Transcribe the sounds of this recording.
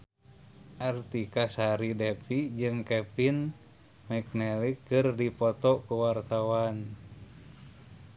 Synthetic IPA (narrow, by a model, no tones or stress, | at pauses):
ʔart̪ikasaɾidɛpid͡ʒɨŋkɛpin | mɛk̚nɛlikːɨrdipɔt̪ɔkuwart̪awan